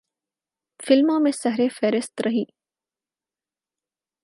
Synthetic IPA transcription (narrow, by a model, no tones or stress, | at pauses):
fɪlmãmẽsɐɦɾefɛːɾɪst̪ɾɐɦiː